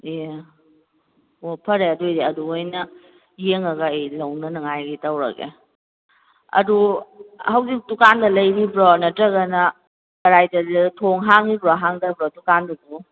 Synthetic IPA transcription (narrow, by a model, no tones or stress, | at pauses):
ije | opʰɐɾeɐdojdeɐduojnɐ | jeŋɐɡɐejlɐwnɐnɐŋajɡitɐwɾɐ̰kḛ | ɐ̰duhɐwzik̚tukandɐlɐjɾibɾɔnɐtɾɐɡɐnɐ | kɐɾajdɐditʰoŋɦaŋibɾɔɦaŋdɐbɾɔtukandɐdu